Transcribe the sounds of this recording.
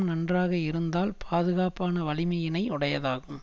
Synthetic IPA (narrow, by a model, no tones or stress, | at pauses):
nɐndraːɣɐɪɾɯnd̪aːlpʰaːðɯɣaːpaːnɐʋɐɭɪmɐjɪnɐɪʊɽɐjɐðaːɣɯm